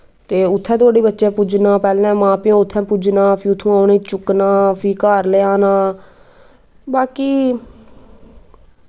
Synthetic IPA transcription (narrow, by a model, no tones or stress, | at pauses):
t̪eːʊt̪ʰːɛ̃ːt̪ʰoaːɽiːbətːʃẽːpʊd͡ʒnaːpɛːlɛ̃ːmãːpɪjõːʊt̪ʰːɛ̃ːpʊd͡ʒnaːpʰiːʊt̪ʰːũːaːnẽːt͡ʃʊknaːpʰiːkaːɾleːaːnaː | baːkiː